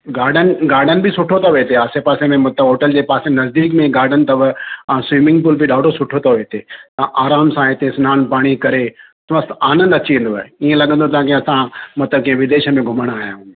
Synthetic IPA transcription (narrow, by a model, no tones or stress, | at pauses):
ɡaːɾɖənɪ̆ɡaːɾɖənɪ̆bʱɪsʊʈʰot̪ʰɐʋeːt̪ʰeaːsepaːsemẽmɐt̪əɦoːʈəld͡ʑeːpaːsenɐzd̪iːkmẽɡaːɾɖənɪ̆t̪ɐʋãsʋiːmɪ̃ŋɡpʊːlbɪɗaːɖʱosʊʈʰot̪ʰɐʋeːt̪ʰet̪ɐʔaːɾaːmsãɦɪt̪ʰesʊnaːnpaːɽ̃ikɐɾe | t̪ɐʋãsaːnə̃nd̪ɐt͡ɕiʋẽnd̪oa̰ːeiẽlɐɠə̃n̆d̪ot̪̬ɐãkĩɐsãmɐt̪ləb̚kɐ̃ɦẽʋɪd̪eːʃəmẽɡʱʊməɽ̃aːɦijãɦ